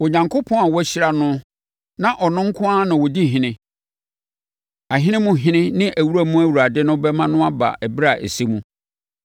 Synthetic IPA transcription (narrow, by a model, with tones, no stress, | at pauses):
wɔ˨ɲã˨ŋkʰo˦pʰɔ̃˦a˨wɔ˦æ˦ɕi˦ɾa˨nʊ̃˦ | nã˨ʔɔ˨nʊ̃˦ŋ̩˦kʰʊ̃˦a˦nã˨wɔ˨di˦˨ɦɪ̃˨nɪ̃˦ | a˨ɦɪ̃˦nɪ̃˦mʊ̃˦˨ɦɪ̃˦nɪ̃˦nɪ̃˦ʔæ˨wu˦ɾæ˦mũ˦æ˦wu˨ɾa˨dɪ˦nʊ̃˦bɛ˦mã˦nʊ̃˦a˦ba̰˨ʔæ˨bɾa˨ʔæ̰˨se˦mũ˦